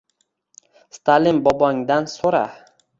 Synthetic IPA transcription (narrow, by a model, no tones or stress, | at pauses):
st̪ʰalɪmbɒbɒŋd̪ansoɾa̰